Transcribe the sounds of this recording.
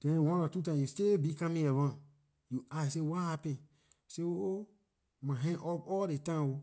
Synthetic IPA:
d̥ɛ̃nwɔ̃nɔatutãjustebikãmĩɛvãn | juajs̬ewahapɛ̃n | seoo | mãɦɛ̃ŋʔɔpɔldetãmo

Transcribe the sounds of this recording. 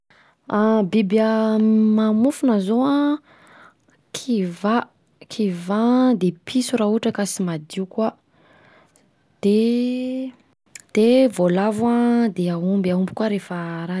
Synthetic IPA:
abibəmamufunazoa | kʰiva | kʰivad̪epʰisurauʈ͡ʂəkasimad̪iukwa | d̪̥e | d̪̥evolavuad̪eaumbiaumbi̥kwaɾefəɾa

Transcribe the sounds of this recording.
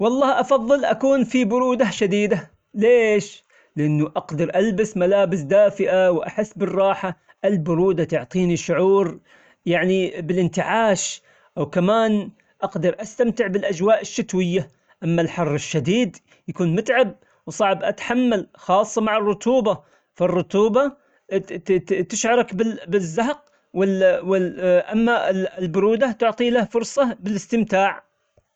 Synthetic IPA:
wɑlˤːɑːhʔɑfɑðˤːɨlʔakuːnfibʊɾuːd̪aʃad̪iːd̪a | leːʃ | lɪʔɪnːʊʔɑqd̪ɑɾˤʔalbɪsmalaːbɪsd̪aːfɪʔawʔa̰ħɪsːbɪrˤːɑːħa | ʔɪlbʊɾuːd̪at̪ʊʕt̪ˤiːniʃːʊʕuːɾ | jaʕnibɪlʔɪnt̪ɪʕaːʃ | ʔawkamaːn | ʔɑqd̪ɑɾˤʔast̪amt̪ɪʕbɪlʔad͡ʒwaːʔɪʃːɪt̪wɪjːa | ʔamːalħɑrˤːɪʃːad̪iːd̪ | jakuːnmʊt̪ʕab̚ | wsˤɑʕbʔat̪ħamːalxɑːsˤːɑmaʕɑrˤːʊt̪uːba | fɑrˤːʊt̪uːba | t̪ɪʃʕɑɾˤɑkbɪbɪzːaɦq̚ | wɪwɪʔamːaɪɪlbʊɾuːd̪at̪ʊʕt̪ˤiːlahfʊɾˤsˤɑbɪlɪst̪ɪmt̪aːʕ

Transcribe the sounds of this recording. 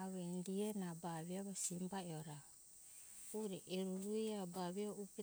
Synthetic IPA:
βendienabaβiaβasimbaeoɾa | uɾeʔeɾuɾuiabaβiaupi

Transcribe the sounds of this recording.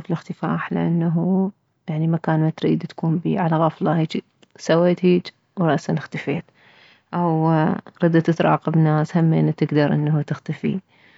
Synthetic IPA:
fɪlɪxt̪ɪfaːħlɪ̰ʔanːaɦu | jaʕnimakaːnmat̪ɾiːd̪t̪ḁkuːmbiːʕalaɣɑflɑhiːd͡ʒi | saweːt̪hiːd͡ʒ | wɾˤɑʔsanɪxt̪afeːt̪ | ʔawɾɑd̪at̪ɪt̪ɾˤɑ̰ːqɑbnaːshamːḛːnːt̪ɪɡd̪ɑɾˤʔɪnːhut̪ɪxt̪afḭ

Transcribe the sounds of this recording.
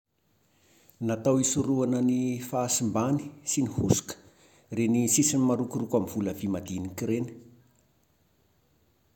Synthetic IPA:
nat̪awisuɾuanənifaːsimbani̥sinihusu̥kə̥ | renisisinimaɾukurukamv̥uləvimad̪inikiɾeni̥

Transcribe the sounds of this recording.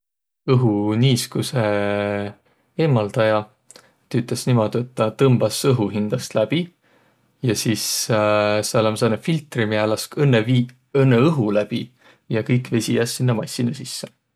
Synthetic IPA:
ɤɦuniːskuse | eːmːɑld̪̥ɑjɑ | t̪yt̪ːˑesnimo̞d̪̥et̪ːɑt̪ɤmb̥ɑsɤɦuɦind̪̥ɑst̪læb̥i | jɑsiːs | sɑlɑmsɑnefilt̪ˑrimiælɑskɤnːevi | ɤnːeɤɦulæb̥i | jɑkɤjkve̞sʲijæsːinːɑmɑjsːinusisːe

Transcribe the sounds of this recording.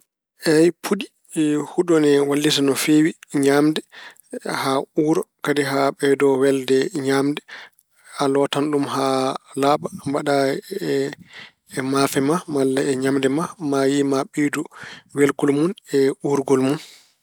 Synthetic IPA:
ʔɛjpʰudi | huɗɔnɛwalːis̬anɔfewiɲamdɛ | hauːɾɔkadiɦaɓɛdɔwɛldɛɲamdɛ | alɔtanɗumɦalaːbambaɗaɛː | mafɛmamalːaɛɲamdɛmamajimaɓiduwelkulmunɛuɾɡɔlmun

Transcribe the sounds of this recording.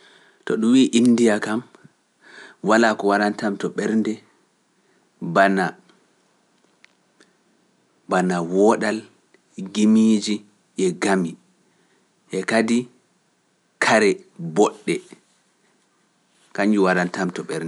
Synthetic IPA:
tɔɗumwiːʔinːdijakam | walakɔwaɾantamtɔɓɛɾndɛ | bana | banawɔɗal | ɡimiːd͡ʒi | ʔɛɡami | ʔɛkadi | kʰaɾɛbɔɗːɛ | kaɲd͡ʒuwaɾantamtɔɓɛɾdɛ

